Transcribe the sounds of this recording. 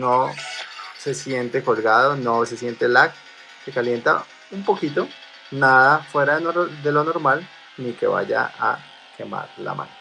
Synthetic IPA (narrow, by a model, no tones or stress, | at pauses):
no | se̞sje̞nt̪eko̞lɣaðonose̞sje̞nt̪elak̚ | se̞kalje̞nt̪a | umpo̞kit̪o̞ | naðafwe̞ɾaðd̪e̞lo̞no̞ɾmal | nike̞̰βa̰ʝa̰ʔa | kʰe̞ma̰ɾla̰ma̰no